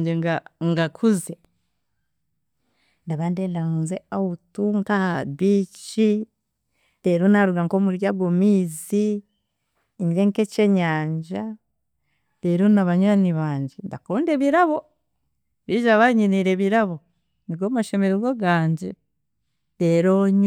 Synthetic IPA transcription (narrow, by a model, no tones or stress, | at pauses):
ɲɟeɡaŋɡakʰuze | ndaβandelaŋzeautuŋkahaβiːt͡ʃi | deɾonaɾuɡaŋkomuɾjaɡomiːzi | ɲiɾeŋket͡ʃeɲaːɲd͡ʒa | deɾonaβaɲwaniβaːɲɟendakondeβiɾaβo | βiʒaβaɲiniɾeβiɾaβo̞ | niɡomaʃemeɾiɡoɡaːɲɟe | deɾoɲ